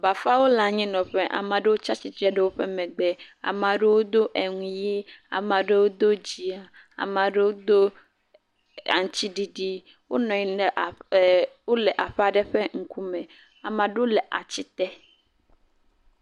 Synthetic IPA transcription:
ba˨fa˦wo˦la˨ɲĩ˦nɔ̃˨ɸe˦ʔa̰˨mã˨ɖe˦wo˦t͡ʃa˦t͡ɕi˨t̪ɾɛ˦ɖe˦wo˦ɸe˦mɛ̃˨ɡ͡be˨a̰˨mã˨ɖe˦wo˦d̪o˦ʔe˨ŋũ˨je˦a̰˨mã˨ɖe˦wo˦d̪o˦d͡ʑi˨a˨ | a̰˨mã˨ɖe˦wo˦d̪o˦ | a̰˨ŋ̩˨t͡ɕi˦ɖi˨ɖi˦ | wo˦nɔ̃˨i˨ | wo˦le˨ʔa˨ɸa˨ɖe˦ɸe˦ŋ̩˨ku˦mẽ˨ | a˨mã˨ɖe˦wo˦le˨ʔa̰˨t͡ɕi˦t̪ɛ˦

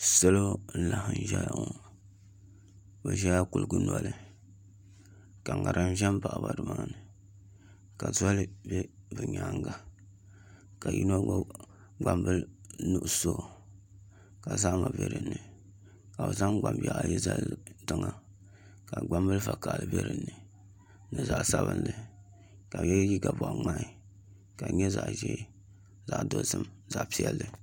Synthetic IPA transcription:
sɛ˦lo˦n̩˦la˨hɨ˨n˨ʒɛ˦ja˨ŋo˨ | bɛ˨ʒɛ˦ja˦ku˨lɡu˦nɔ˨lɨ˨ | ka˨ŋa˨ɾʔɨ˦n˦ʒɛ˦mpa˨ʔba˨dɨ˨maː˦nɨ˨ | ka˨zɔ˦lɨ˦bɛ˦bɨ˨ɲa˨ŋɡa˨ | ka˨jḭ˦no˦ | ɡ͡ba˨mbɨ˦lnu˦ʔso˦˨ | ka˨za˦ʔma˨bḛ˦ɾɨ˨nːɨ˨ | ka˨bɨ˨za˦ŋɡ͡ba˨mba˨ji˦za˦tɨ˦ŋa˨ | ka˨ɡ͡ba˦mbɨ˦lfa˨ka˨lɨ˨be˦ɾɨ˨nːɨ˨ | nɨ˨za˨ʔsa˦βɨ˦nlɨ˨ | ka˨ɛ˦ji˦ɡa˨bɔ˨ʔŋ͡ma˦ʔɪ˦˨ | ka˨ɲɛ˦za̰˨ʔʒɛ˦ | za˨ʔdo˦sɨ˦mza˨ʔpi˦ɛ˦lːɨ˨

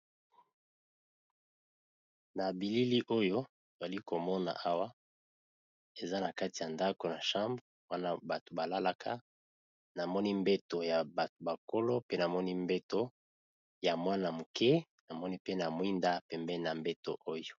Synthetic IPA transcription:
na˨bi˨li˦li˦ʔo˦jo˦ | to˨za˨li˦ko˨mɔ˦na̰˨ʔa˦wa˦ | e˨za˦na˨ka˦ti˨ja˨nda˦ko˨na˨ʃã˦mbʁ | wa˦na˦ba˨to̥˨ba˨la˦la˦kʰa̰˦ | na˨mɔ˦ni˦mbe˦to˨ja˨ba˨to˨ba˨ko˦lo˦pe˦na˨mɔ˦ni˦mbe˦to˦ | ja˨mwa˦na˨mu˨kɛ˦ | na˨mɔ˦ni˦pe˦na˨mwi˦nda˦˨pɛ˨mbɛ˦na˨mbe˦to̰˨ʔo˦jo˨

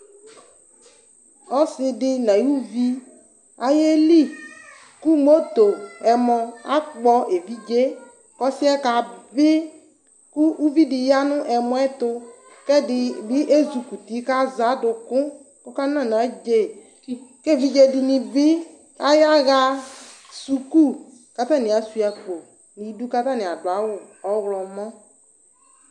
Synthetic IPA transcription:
ɔ˦sɪ˨dɪ˦nã˨ju˦vi˦ | a˨je˦li˦ | ku˦mo˦t̪o˨ɛ˨mɔ̃˨a̰˦k͡pɔ˦ʔe˨vi˦d͡ʒe˦ | kɔ˦si˦ɛ˦ka˨bɪ˦ | ku˦u˦vi˦di˨ja˦nʊ̃˦ʔɛ˨mɔ̃˦ɛ˦t̪ʊ˦ | kɛ˦dɪ˨bi˦ʔe˦zu˨ku˨t̪i˨˦ka˦za˨˦dʊ˨kʊ̃˦ | kʊ˦ka˦nã˦˨nã˨˦d͡ʒe˦˨ | ke˦˨vi˦d͡ʒe˦di˨nĩ˨bi˦ | a˦ja˦ɣa˦ | su˨ku˦ | ka˦t̪ã˦nĩ˨a˨su˦˨a˨k͡po˨ | nĩ˨˦du˦ka˦t̪a˦nɪ̃˨a˨dʊ˨a˨wʊ˨ɔ˨˦ɣlɔ˨mɔ̃˦

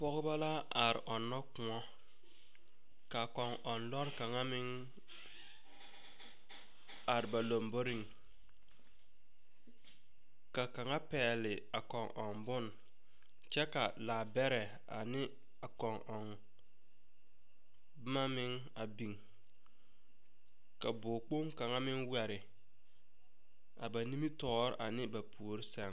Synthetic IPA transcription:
pɔ˦ɣɪ˦ba˦la˦a˨ɾɪ̰˨ʔɔ˨nːɔ˦kʊ˨ɔ˦ | ka˨kɔ˨ŋʔɔ˨nlɔ˦ɾɪ˦ka˨ŋa˦mɪ˦ŋ | a˨ɾɪ˨ba˨lo˨mbo˦ɾi˦˨ŋ | ka˨ka˨ŋa˦pɛː˨lɪ˨ | a˨kɔ˨ŋʔɔ˨ŋbʊ˦˨n | t͡ʃɛ˦ka˨laː˨bɛ˦ɾɛ˨ | a̰˨nɪ˦ | a˨kɔ˨ŋʔɔ˨ŋ | bʊ˦ma˦mɪ˦ŋ | a˨bi˨ŋ | ka˨bʊ˨k͡po˦ŋka˨ŋa˦mɪ˦ŋwɛ˨ɾɪ˨ | a̰˨ba˨ni˦mi˦tɔː˦ɾɪ˦ʔa˨nɪ˦ba˨pʰu˨o˨ɾɪ˦sɛ˨ŋ

